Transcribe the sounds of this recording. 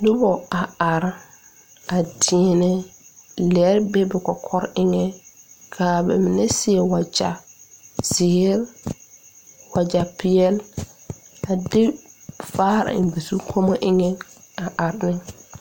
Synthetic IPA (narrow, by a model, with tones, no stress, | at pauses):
dɪ˦bɔ˨a˨a˨ɾ | a˨di˨ɛ˨nɛ˦lɛ˨˦ɾbɛ˦bɛ˨kɔ˨kʰɔ˦ɾɪ˦ŋɛ˦kʰa˨bɛ̰˨mi˨nɛ˦sɪ˦ɛ˨wa˨d͡ʒa̰˨ | z̥ɪ˨˦ɾ | wa˨d͡ʒa˨pɪ˨jɛ˦l | a˨dɪ˦faː˦ɾa̰˨m˨bi˨su˦kʰo˦mɔ˦ʔɪ˦ŋɛ˦a˨ʔa˨ɾnɪ˦